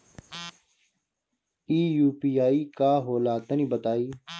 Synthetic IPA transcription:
iːjuːpiːjaːiːkaːɦoːlaːt̪ənĩbət̪aːiː

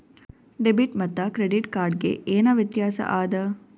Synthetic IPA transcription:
ɖebiʈmɐt̪ːɐkɾeɖiʈkaːɾɖɡḛʔeːnaːʋjɐt̪jaːsɐ̰ʔaːd̪ɐ

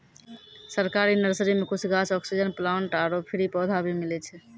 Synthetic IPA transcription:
səɾkaɾinəɾsɾimekut͡ʃʰɡat͡ʃɔksid͡ʒənplaɳʈaɾopʰiɾipɔd̪ʱabimilɛt͡ʃʰɛ

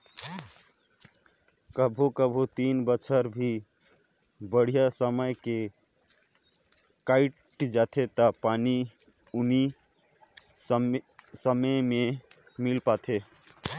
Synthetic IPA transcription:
kəbʱukəbʱut̪inbət͡ʃʰəɾbʱi | bəɽ̤ijasəməjke | kaɪʈd͡ʒat̪ʰet̪əpani | uni | səməjmemilpat̪ʰe

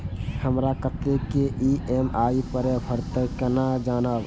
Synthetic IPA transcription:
həmɾakət̪ːekeʔiʔemaipəɾepʰəɾt̪əkənad͡ʒanəb

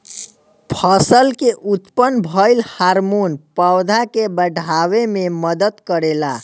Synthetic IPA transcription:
pʰəsəlkeʔut̪pənbʱəɪlhaɾmunpəwd̪ʱakebəɖʱawememəd̪ət̪kəɾela

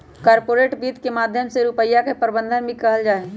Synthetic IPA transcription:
kaːɾpoːɾeːʈbiːt̪kemaːd̪ʱjəmseɾupəjːakepəɾbə̃nd̪ʱənbʱĩkɐɦəld͡ʒaːe

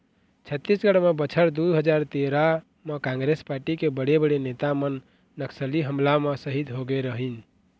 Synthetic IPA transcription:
t͡ʃʰət̪ːisɡəɽmebət͡ʃʰəɾd̪uɦəd͡ʒaɾt̪eɾa | mekãŋɡɾespaɾʈikebəɽebəɽenet̪amənː | əksəliɦəmlamesəɦid̪ɦoɡeɾəɦin

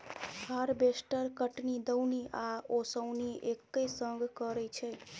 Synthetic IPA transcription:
həɾbesʈəɾkəʈnid̪əwniʔaosəwniʔekːesəŋɡʱkəɾɛt͡ʃʰɛ

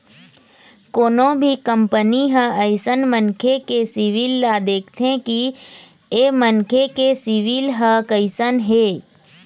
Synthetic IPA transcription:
koːnõbʱikəmpəniɦə̃əɪsənmənkʰekesiʋiːlːad̪eːkʰt̪ʰẽki | emənkʰekesiʋiːlɦəkəɪsənɦeː

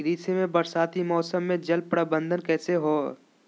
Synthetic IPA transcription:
ɾiːsemẽbɐɾsaːt̪imɔːsəmːẽd͡ʒɐlpɾəbə̃nd̪ʱənkɛːseɦoː

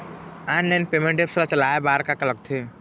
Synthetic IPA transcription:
anlenpemẽɳʈepsɾat͡ʃəlaːebaːɾkakələk̚t̪ʰe

